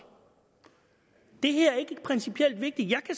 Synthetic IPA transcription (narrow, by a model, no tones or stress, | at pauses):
d̥e̝ɦæɐ̰æɐe̝ɡ̥ə̥pʰʁɛnsipʰiel̰d̥ʋe̝ɡ̥̚d̥i̥jɑ̈ɪkʰæ